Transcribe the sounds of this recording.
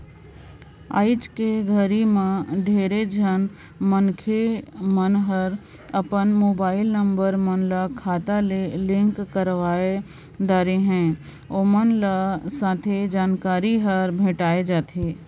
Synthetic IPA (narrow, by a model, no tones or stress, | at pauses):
a̰ːɪt͡ʃkeɡʱəɾimãɖʱeːɾed͡ʒʱən | mənkʰemənɦəɾ | ɐpənmoːbaːɪlnə̃mbəɾmənlakʰaːt̪alelɪ̃ŋkːəɾʋaːe | d̪aːɾeɦɛ̃ː | oːmənlasãːt̪ʰed͡ʒaːnkaːɾiɦəɾbʱeːʈaːed͡ʒaːt̪ʰeː